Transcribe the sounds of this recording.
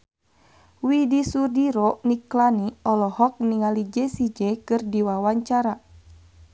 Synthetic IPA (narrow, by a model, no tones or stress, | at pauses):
widisurdiɾɔniklaniɔlɔhɔk̚niŋalid͡ʒɛsid͡ʒɛkɨrdiwawaɲt͡ʃaɾa